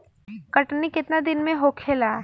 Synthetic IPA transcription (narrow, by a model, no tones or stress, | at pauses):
kɐʈnikɪt̪nad̪ɪnmẽɦoːkʰeːlaː